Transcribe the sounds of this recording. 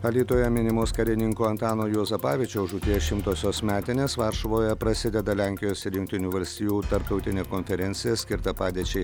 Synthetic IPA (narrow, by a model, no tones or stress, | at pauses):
ɐlʲiːt̪oːjɛmʲɪnʲɪmoːskɐɾʲɪnʲɪŋkoːɐnt̪ɑːnoːjoːzɐpɑːʋʲɪt͡ʃʲoʊʒut̪ʲiɛʃʲɪmt̪oːsʲoːsmʲæːt̪ʲɪnʲeːsʋɐɾʃɐʋoːjɛpɾɐsʲɪd̪ʲɛd̪ɐlʲæŋʲkʲɪjoːsɪɾjʊŋʲk̚ʲt̪ʲɪnʲuːʋɐlʲsʲt̪ʲiːjuːt̪ɐɾp̚t̪ɒʊt̪ʲɪnʲeːkɔnʲfʲɛɾʲɛnʲt̪sʲɪjɛsʲkʲɪɾt̪ɐpɑːd̪ʲiɛt͡ʃʲɛɪ